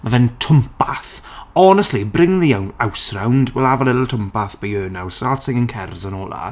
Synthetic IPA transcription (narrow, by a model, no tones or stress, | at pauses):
mavɛntʰʊmpaθɔnəstlibrɪŋðijawnawsrawndwɛlˠavəlˠɪtl̩ˠtʰəmpaθb̥əjøːnawsaːtɪŋənkʰɛrzənɔːlˠa̰